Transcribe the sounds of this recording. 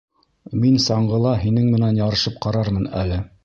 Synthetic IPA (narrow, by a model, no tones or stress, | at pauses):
minsɑɴɢɤ̆lˠɑɦinɘŋmɘ̆nænjɑɾɤ̆ʃɤp̚qɑɾɑɾmɤnæ̰lɘ